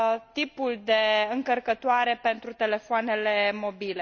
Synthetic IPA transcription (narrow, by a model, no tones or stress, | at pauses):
t̪ipuld̪e̞ɨŋkərkət̪oaɾe̞pe̞nt̪ɾut̪e̞le̞foane̞le̞mo̞bile̞